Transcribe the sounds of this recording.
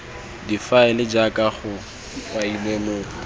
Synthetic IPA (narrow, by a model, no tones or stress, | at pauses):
difaɪlɪd͡ʒakʼaχʊ | failemʊ